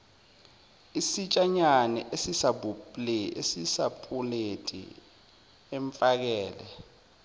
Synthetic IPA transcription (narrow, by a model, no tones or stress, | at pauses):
isit͡ʃʼaɲanɛ̰ʔesisabupʼleesisapʼuletʼḭ | ɛɱfak̬ɛːlɛ̰